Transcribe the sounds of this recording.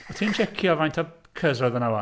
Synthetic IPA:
ɔtʰiːnt͡ʃʰɛkʰjɔvajntʰɔ | kʰəzrɔðənawa

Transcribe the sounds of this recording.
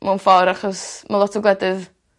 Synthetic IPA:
manfɔɾaχɔsmalˠɔtʰɔɡlˠɛdɨð

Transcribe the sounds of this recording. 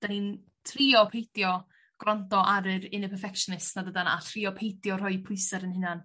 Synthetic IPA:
d̥anin | tʰriːɔpʰejtjɔ | ɡ̥rɔntɔʔaɾɨɾɪnəpʰɛfɛkʃnɪsnadədana̰tʰriːɔpʰejtjɔr̥ɔjpʰʊɨsɛɾənhɪnan

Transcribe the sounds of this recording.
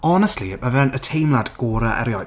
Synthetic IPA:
ɔnəstlimavɛnətʰejmlˠadɡ̥oːɾaʔɛ̰ɾjɔj

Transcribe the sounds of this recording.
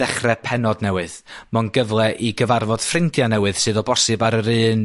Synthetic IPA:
ɛχrɛpʰɛnɔdnɛwɨðmɔnɡəvlˠɛʔiɡəvarvɔd̥frɪndʰjanɛwɨð̥sɨːðɔbɔsɨbaɾəɾɨːn

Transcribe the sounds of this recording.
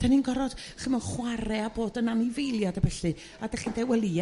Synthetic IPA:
tʰaninɡɔɾɔd̥χimɔχwaɾɛaboːdənanivejlˠjadabɛɬɨ | adaχindɛwɛlˠi

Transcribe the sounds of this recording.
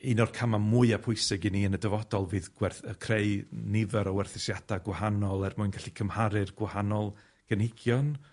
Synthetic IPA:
inɔrkʰamamuɨapʰʊɨsɪɡɨniːənədəvɔdɔlˠvɨːðɡ̥wɛrθəkʰrejnɪvɛɾɔwɛrθɪsjad̥aɡwahanɔlˠɛrmʊɨnɡaɬikʰəmhaɾɨrɡ̥wɪhanɔlˠ | ɡ̥ənhɪɡ̥jɔn

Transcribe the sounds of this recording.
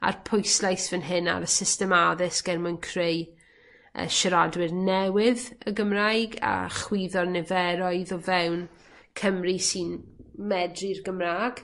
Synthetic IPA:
a̰rpʰʊjslˠajsvɛnɦɪna̰ɾəsɪstɛmaðɪsɡ̥ɛrmankʰr̥ej | ə̰ʃəɾadwɪrnɛwɪðəɡəmrajɡa̰χwiːðɔrnɛvɛɾɔɨðɔvɛwn | kʰəmrisinmɛdrirɡəmraːɡ̥

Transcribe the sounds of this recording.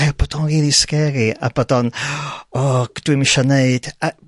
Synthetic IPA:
ɛrb̥ɔd̥ɔnriːðiskɛɾia̰b̥ɔdɔnɔd̥wimiʃaneɨd̥a

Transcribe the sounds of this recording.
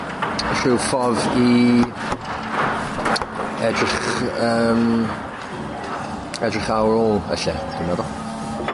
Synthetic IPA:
ɬɪwfɔvi | ɛdrɪχəːm | ɛdrɪχawɾoːlˠə̰ɬɛd̥ɪnɛðɔ

